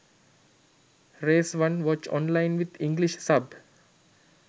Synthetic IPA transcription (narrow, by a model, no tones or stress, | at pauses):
ɾeːsʋãnʋɔt͡ʃɔ̰̃nlãɪ̃nʋɪd̪ĩŋɡliʃsab